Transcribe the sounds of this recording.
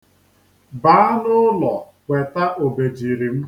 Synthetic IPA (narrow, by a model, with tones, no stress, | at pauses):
baː˨˦a˦nʊ˦lɔ˨ | kʷe˨ta˦ʔo˨be˨d͡ʒi˨ɾi˨m̩˦